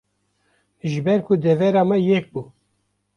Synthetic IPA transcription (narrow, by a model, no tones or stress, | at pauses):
ʒɨbɛɾkʰʊd̪ɛvɛɾɑːmɛjɛk̚buː